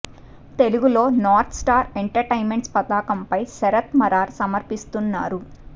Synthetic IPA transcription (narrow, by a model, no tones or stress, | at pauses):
t̪e̞luɡulo̞ːnaːɾt̪ʰsʈaːɾeɳʈɐɾʈɐjnme̞ɳʈspɐt̪aːkɐmpɐjsɛɾɐt̪mɐɾaːɾsɐmɐɾpist̪unːa̰ːɾu